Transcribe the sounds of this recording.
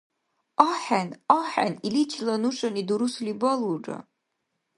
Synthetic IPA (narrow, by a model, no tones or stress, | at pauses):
aħænaħa̰nilit͡ʃʰlanuʂʼanid̪uɾuslibaluʈ͡ʂʼa̰